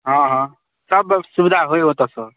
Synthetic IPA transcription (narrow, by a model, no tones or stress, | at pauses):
ɦʌ̃ɦʌ̃ | sʌbsubid̪ʱaɦojɦot̪ʌsʌɾ